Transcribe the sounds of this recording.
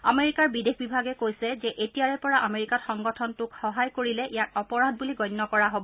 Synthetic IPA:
ameɹikaɹbidexbibʱaɡɛkojsɛzɛʔetijaɹɛpɔɹaʔameɹikatxɔŋɡɔtʰɔntʊkxɔɦajkoɹilɛʔijatɔpɔɹad̚buliɡɔjnːɔkɔɹaɦobɔ

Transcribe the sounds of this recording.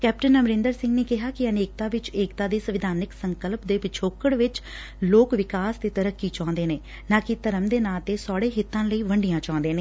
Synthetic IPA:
kɛːp̚ʈənəmɾɪ̃ːnd̪əɾsɪ̃ŋɡneːkɪɦaːkɪəneːkt̪aːʋɪt͡ʃeːkt̪aːd̪eːsəʋɪd̪ʱaːnɪksəŋkəlpd̪eːpɪt͡ʃʰoːkəɽʋɪt͡ʃ | loːkʋɪkaːst̪eːt̪əɾəkːiːt͡ʃãːnd̪eːneː | nãːkɪt̪əɾəmd̪eːnãːt̪eːsɔːɽeːɦɪt̪ːãːləiːʋəɳɖijãːt͡ʃãːnd̪eːneː

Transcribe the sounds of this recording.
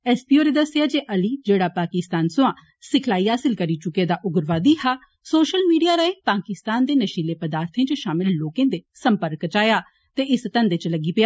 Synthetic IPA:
ɛːspiːoːɾeːd̪əsjaːd͡ʒeːʔəliːd͡ʒeːɽaːpaːkɪst̪aːnsʊ̃ãː | sɪkʰlaːiːɦaːsɪlkəɾiːt͡ʃʊked̪aːʔʊɡɾʋaːd̪iɦaː | soːʃəlmiːɖijaːɾaepaːkɪst̪aːnd̪eːnəʃiːleːpəd̪aːɾt̪ʰẽt͡ʃəʃaːmɪlːoːkẽːd̪esəmpəɾkt͡ʃaːjaː | t̪eɪst̪ə̃nd̪eːt͡ʃləɡiːpɪjaː

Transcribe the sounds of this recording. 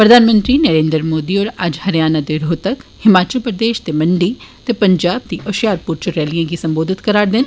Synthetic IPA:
pɾəd̪ʱaːnmə̃nt̪ɾinəɾẽːnd̪ɾəɾmoːd̪iɔːɾɐd͡ʒhɐɾjaːnad̪eɾoːt̪əkhɪmaːt͡ʃəlpɾəd̪eːʃt̪emɐɳɖiːt̪epɐɲd͡ʒaːb̚t̪iʔəʃjaːɾpʊɾt͡ʃəɾɛːlijãkisɐ̃mboːd̪ʱɪt̪kəɾaːɾd̪ɪn

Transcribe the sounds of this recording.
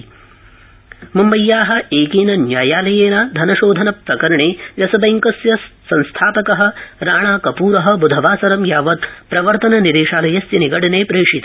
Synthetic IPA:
mumbɐjːaːɦɐ̆eːkiːnɐnjaːjaːlɐjeːnaːd̪ʱɐnɐʃoːd̪ʱɐnɐpɾɐkɐɾɐɳeːʋjɐsɐbɐjŋkɐsjɐsːɐ̃nst̪ʰaːpɐkɐɦɐ̆ɾaːɳaːkɐpuːɾɐɦɐ̆bud̪ʱɐʋaːsɐɾɐmjaːʋɐt̪̚pɾɐʋɐɾt̪ɐnɐniɾeːʃaːlɐjɐsjɐniɡɐɽɐneːpɾeːʂit̪ː

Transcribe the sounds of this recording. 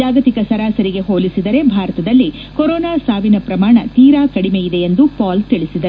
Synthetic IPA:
d͡ʒaːɡɐt̪ikɐsɐɾaːsɐɾiɡe̞ɦoːlisid̪ɐɾe̞bʱaːɾɐt̪ɐd̪ɐlːi | kɔɾɔːnaːsaːʋinɐpɾɐmaːɳɐt̪iːɾaːkɐɽime̞jid̪eend̪upaːlt̪iɭisid̪ɐɾ

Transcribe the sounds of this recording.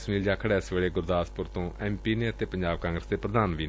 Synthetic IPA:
sniːld͡ʒaːkʰəɽɛːɪsʋeːɽeːɡʊɾd̪aːspʊɾt̪õːʔɛːmpiːneːət̪eːpəɲd͡ʒaːb̚kãːŋɡɾəsd̪eːpɾəd̪aːnʋiːn

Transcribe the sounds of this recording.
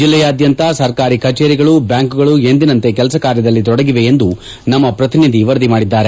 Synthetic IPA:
d͡ʒilːɛjaːd̪jɐnt̪ɐsɐɾkaːɾikɐt͡ʃeːɾiɡɐɭubjaːŋkuɡɐɭue̞nd̪inɐnt̪e̞k̬ɛlɐsɐkaːɾjɐd̪ɐlːit̪ɔɽɐɡiʋe̞end̪u | nɐmːɐpɾɐt̪inid̪ʱiʋɐɾd̪imaːɽid̪ːaːɾe̞

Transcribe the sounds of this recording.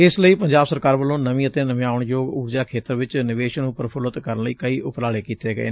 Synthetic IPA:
ɪsləiːpəɲd͡ʒaːbsəɾkaːɾʋəlːõːnəmĩːət̪eːnəmjaːʊəɳjoːɡuːɾd͡ʒaːkʰeːt̪əɾʋɪt͡ʃnɪʋeːʃənupəɾpʰʊlət̪kəɾənləiːkəiːʔʊpɾaːɽeːkiːt̪eːɡə̰ḛː

